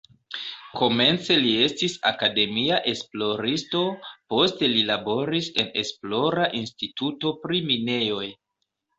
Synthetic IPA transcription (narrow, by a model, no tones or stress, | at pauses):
ko̞me̞nt͡se̞lie̞stisa̰kade̞miaʔe̞splo̞ɾisto̞po̞ste̞lilabo̞ɾise̞ne̞̰splo̞ɾaʔinstituto̞pɾimine̞jo̞j